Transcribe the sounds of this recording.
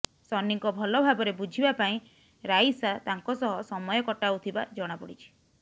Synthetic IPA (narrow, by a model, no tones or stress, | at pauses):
sɔnːiŋkɔbʱɔlɔbʱabɔɾebud͡ʒʱibapaĩ | ɾajsat̪aŋkɔsɔɦɔsɔmɔjɔkɔʈaut̪ʰiba̰d͡ʒɔɽ̃apɔɽit͡ʃʰi̥